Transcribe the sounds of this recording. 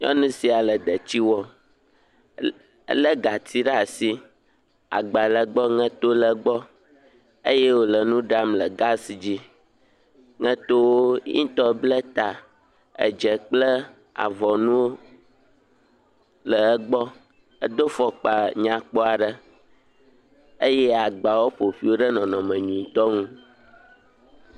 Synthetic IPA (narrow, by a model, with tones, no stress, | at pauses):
ɲɔ̰̃˦nũ˦si˨a˨lə˨d̪ə˨t͡ɕi˦wɔ˦ | ə˦lə˦ɡa˨t̪i˦ɖa˨si˦ | a̰˨ɡ͡ba˨lə˨ɡ͡bɔ˦ŋɛ̃˦t̪o˦lə˨ɡ͡bɔ˦ | e˦jɛ˦wo˦lə˨nũ˦ɖa˦mlə˨ɡa˦si˨d͡ʑi˦ | ŋɛ̃˦t̪o˦wo˦ɲḭ̃˦t̪ɔ˦blə˦t̪a˨ | ə̰˨d͡ʒə˨k͡plə˦ | a̰˨vɔ˨nũ˦ | lə˨ə˦ɡ͡bɔ˦ | ə˨d̪o˦fɔ˨k͡pa˨ɲã˨k͡pɔ˦a˨ɖə˦˨ | ə˦jɛ˦a˨ɡ͡ba˨wo˦ɸo˨ɸi˦wo˦ɖə˦nɔ̃˨nɔ̃˨mə̃˨ɲũ˨ĩ˨t̪ɔ˦ŋũ˦